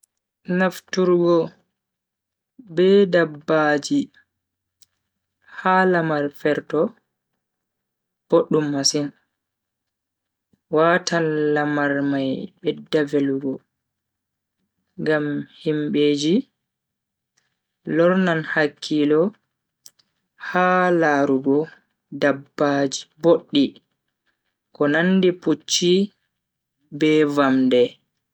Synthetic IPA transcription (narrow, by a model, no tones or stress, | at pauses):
naftuɾɡɔ | bɛdabːaːd͡ʒi | halamaɾfɛɾtɔ | b̥oɗːumːasin | waːtanlamaɾmajbɛdːaveluɡɔ | ŋɡamhimɓeːd͡ʒi | lɔɾnanhakʰːilɔ | haːlaːɾuɡɔ | dabːad͡ʒiboɗːi | kɔnandiput͡ʃːi | bɛvamdɛ